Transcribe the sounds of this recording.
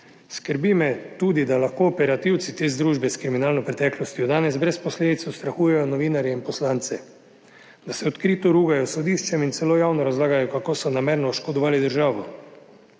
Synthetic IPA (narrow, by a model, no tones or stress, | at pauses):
skəɾbimɛt̪uːd̪id̪alaxkoːpɛɾat̪iwt̪sit̪eːzd̪ɾuːʒbɛskɾiminaːlnɔpɾɛt̪ɛːklɔst̪jɔd̪aːnɛzbɾɛspɔsleːd̪it̪sɔst̪ɾaxuːjɛjɔnɔʋiːnaɾjɛinpɔslant̪sɛ | d̪asɛɔt̪kɾiːt̪ɔɾuːɡajɔsɔd̪iːʃt͡ʃɛminsɛloːjaːwnɔɾazlaːɡajɔkakoːsɔnameːɾnɔːʃkɔd̪ɔʋaːlid̪əɾʒaːʋɔ